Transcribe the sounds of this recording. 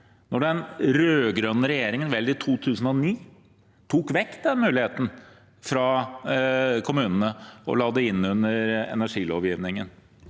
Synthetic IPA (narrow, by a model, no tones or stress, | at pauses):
nɔɖɛnɾøːɡɾœnːəɾɛjeːɾɪŋənʋɛld̪ɪt̪ʰuːt̪ʰʉːsn̩ɔniː | t̪ʰuːkʋɛkt̪̚d̪ɛnmʉːlɪheːt̪n̩ | fɾɑ | kʰʊmʉːnənəɔ̰lɑːd̪əɪnːʉnːəɾɛ̰næʂiːlo̰ːʋjiːʋnɪŋən